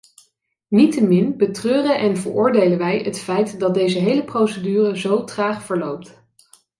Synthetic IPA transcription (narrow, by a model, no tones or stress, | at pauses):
nitəmɪnbətrøːrəʔɛnvə̰ɹʔʊːɹdejləʋɛjɦətfɛjtdɑt̚dejzəɦejləprowsədyːrəzowtraːχfəɹlowp̚t